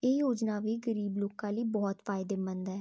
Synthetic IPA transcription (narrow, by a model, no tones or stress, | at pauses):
eːjoːd͡ʒnaːʋiːɡəɾiːbloːkãːliːbɔːt̪fʰaːɪd̪eːmənd̪ɛː